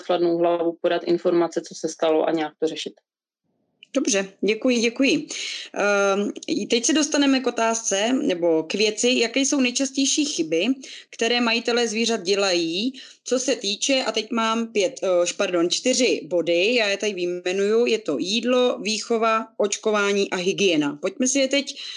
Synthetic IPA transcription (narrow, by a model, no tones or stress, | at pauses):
t̪xladnowɦlavupodat̪ʔɪnfo̞ɾmat͡sɛt͡sosɛst̪aloʔa̰ɲɛjak̚t̪orɛʃɪt̪ | d̥o̞br̝ɛɟɛkujɪɟɛkujɪ | t̪ɛcsɛdo̞st̪anɛmɛko̞t̪aːst͡sɛnɛbo̞kvjɛt͡sɪjakɛːjso̞wnɛjt͡ʃascɛjʃiːxɪbɪkt̪ɛɾɛːmajɪt̪ɛlɛːzviːr̝at̪̚ɟɛlajiː | t͡so̞sɛt̪iːt͡ʃɛʔat̪ɛcmaːmpjɛt̪paɾdo̞nt͡ʃt̪ɪr̝ɪbo̞dɪjaːjɛt̪adɪvɪɛnujujɛt̪o̞jiːdlo̞viːxo̞vaʔo̞t͡ʃko̞vaːɲiːʔaɦɪɡɪjɛnapo̞c̚mɛsɪjɛt̪ɛc